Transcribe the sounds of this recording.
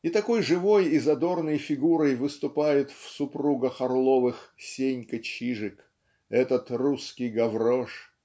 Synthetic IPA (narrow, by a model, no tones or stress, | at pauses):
it̪ɐko̞jʐɨvo̞jɪzɐd̪o̞rnəjfʲɪɡuɾəjvɨst̪ʊpajɪt̪fsʊpɾuɡəxɐrlˠovɨxsʲenʲkət͡ɕiʐɨk | ɛt̪ət̪ruskʲɪjɡɐvɾo̞ʂ